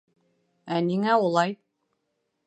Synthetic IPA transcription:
æniŋæulˠɑj

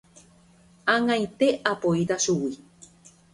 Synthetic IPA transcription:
ãŋãj̃t̪e̞ʔapoit̪aʃuwi

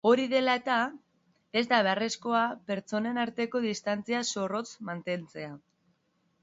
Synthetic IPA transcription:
o̞ɾiðe̞laet̪a | e̞zd̪aβe̞are̞sko̞ape̞ɾt͡so̞ne̞naɾt̪e̞ko̞ðist̪ant͡siaso̞ro̞t͡smant̪e̞nt͡se̞a

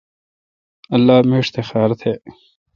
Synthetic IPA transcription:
ɐlːaːmeːʂt̪ʰexaːɾɐt̪ʰheː

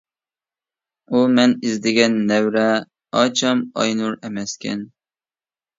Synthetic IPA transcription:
umɛnizd̪ɪɡʲɛnːɛwɾɛ | ɑt͡ʃʰɑmɑ̰jnuɾɛmɛskʲɛ̰n

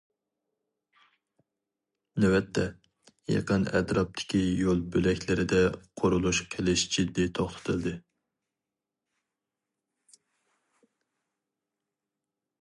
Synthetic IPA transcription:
nɛwɛt̪ʰːɛ | jɑ̰qənɛ̰t̪ɾɑp̚t̪ʰɪ̥kʲʰijolˠbølɛkʲlɪɾɪd̪ɛqʰoɾulˠuʃqʰelɪʃd͡ʒ̥id̪ːit̪ʰoχt̪ʰɨ̥t̪ʰɨld̪ɨ

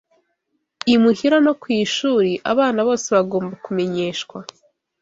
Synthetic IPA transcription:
imuhiɾano̞kwiːʃuːɾiʔa̰βaːnaβo̞ːse̞βaɡo̞ːmbakume̞ɲe̞ːʃkwa

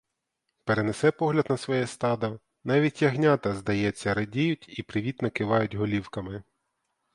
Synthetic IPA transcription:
peɾenesɛpɔɦlʲɐd̪nɐsʋɔjɛst̪ɑd̪ɐ | nɑʋʲitʲjɐɦnʲɑt̪ɐzd̪ɐjɛt͡sʲːɐɾɐdʲijʊtʲipɾɪʋʲit̪nɐkɪʋɑjʊtʲɦɔlʲiwkɐmɪ

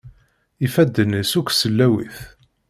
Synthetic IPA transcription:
ifæd̪ːənəsukʷːsəlːæwḭθ

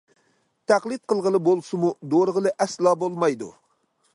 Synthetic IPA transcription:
t̪ʰæqlˠɨt̪̚qʰəlˠʁəlˠɨbolˠsɨmud̪oɾəʁəlˠɨʔɛslˠɑːbolˠmɑjd̪ṵ

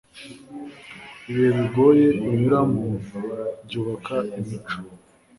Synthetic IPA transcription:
iβeβiɡo̞jeiɲuɾamubɟuːβakʰaimit͡ʃo̥

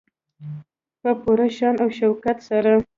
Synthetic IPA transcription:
pəpuɾaʃɑnawʃawkat̪saɾa

